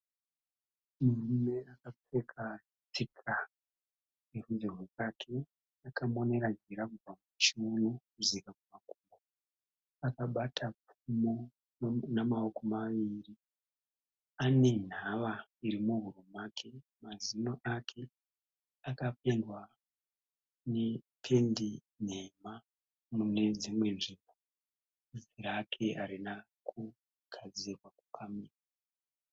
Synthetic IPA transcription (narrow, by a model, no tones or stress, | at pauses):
murime̞akap͡fe̞kʰa | t͡sika | neruzirwekakʰe̞ | akamo̞ne̞ɾad͡ʒiɾakub͡vamut͡ʃunokuzikakumakuŋɡo | akaɓatʰap͡fumo | namaokomaʋiːri | ane̞n̤aʋaiɾimuɦuromakʰe̞ | mazinoʔakʰe̞ | akapendwa | ne | pʰe̞ndi | n̤e̞ma | mune̞d͡zimwe̞nʐimbo | ziɾakʰe̞ʔaɾina | kʰu | ɡ̥ʱad͡zirwaku̥kʰamiːra